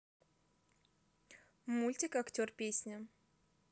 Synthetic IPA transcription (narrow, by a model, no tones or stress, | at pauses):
mulʲtʲɪkɐktʲorpʲesʲnʲɪ